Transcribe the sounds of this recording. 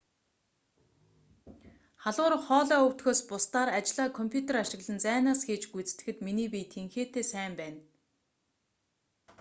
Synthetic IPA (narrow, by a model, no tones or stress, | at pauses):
χaɮʁʊːɾə̆χɔːɮɔːɵw̥t̪xoːspʊst̪aːɾat͡ɕɮaːkʰɔmpʲʰjut̪eɾaʃɪ̆ɣɮə̆nt͡sæːnaːsxeːt͡ɕɡut͡st̪ɘ̆xɘ̆t̪miniːpiːt̪ʰeŋxeːt̪eːsæːmpæːn